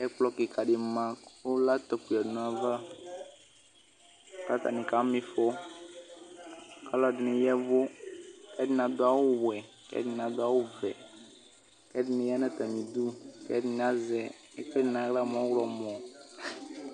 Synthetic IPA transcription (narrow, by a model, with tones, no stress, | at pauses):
ɛ˦k͡plɔ˦kɪ˨ka˨dɪ˨mã˦kʊ˦la˦t̪ɔ˨ku˨a˨dɪ˨nʊ˨a˨va˦˨ | ka˦t̪a̰˨nɪ̃˨ka˨˦mɪ˦fɔ˦ | ka˦lɔ˨dɪ˨nɪ˨jɛ˦vʊ˦kɛ˦dɪ˨n˨a˨dʊ˦a˦wʊ˦˨wɛ˨ | kɛ̰˦dɪ˨˦n˨a˨dʊ˦a˦wʊ˦vɛ˨ | kɛ˦dɪ˨nɪ̃˨˦ja˦na˦t̪a˨mĩ˨du˦kɛ̰˦dɪ˦n˨a˦zɛ˨˦ | kɛ˦dɪ˨na˨˦la˦˨m˨ɔ̃˨˦wlɔ˨mɔ˨